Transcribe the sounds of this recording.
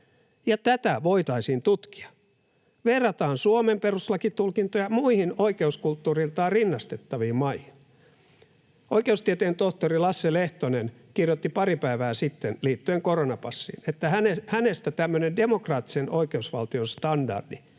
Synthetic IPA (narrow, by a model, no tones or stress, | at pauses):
jɑt̪æt̪æʋoit̪ɑisint̪ut̪ki̥ɑ̥ | ʋerːɑt̪ɑːnsuomemperuslɑkit̪ulkint̪ojɑmuihinoikeuskult̪ːuːrilt̪ɑːrinːɑst̪et̪ːɑʋiːmmɑihin | ʔoikeust̪iet̪eːnt̪oht̪orilɑsːeleht̪onenkirjot̪ːipɑɾipæiʋæːsit̪ːenliːt̪ːyeŋkoronɑpɑsːḭːnet̪ːæhænehænest̪æt̪æmːønendemokrɑːt̪ːi̥senoikeusʋɑ̰lt̪ionst̪ɑndɑ̰rd̥i